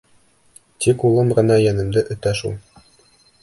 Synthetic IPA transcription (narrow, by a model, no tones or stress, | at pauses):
t̪ikulˠɤmʁɤ̆nɑjænɤ̆md̪ɘʔɵ̆t̪æʃṵlˠ